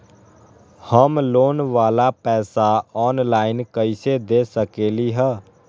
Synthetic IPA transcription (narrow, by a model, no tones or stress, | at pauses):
həmloːnʋaːlapɛːsaɔːnlaːɪnkəɪsed̪eːsəkeːliɦɛ̃ː